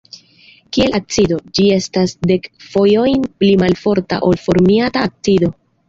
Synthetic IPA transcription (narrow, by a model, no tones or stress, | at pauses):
kie̞lʔak̚t͡sido̞d͡ʒie̞stasde̞kfo̞jo̞jnplimalfo̞ɾta̰ʔo̞lfo̞ɾmiataːk̚t͡sido̞